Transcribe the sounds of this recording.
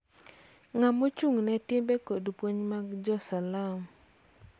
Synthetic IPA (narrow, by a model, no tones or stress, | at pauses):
ŋamot͡ʃuŋnɛtɪmbɛkodpwoɲmaɡd͡ʒɔsalam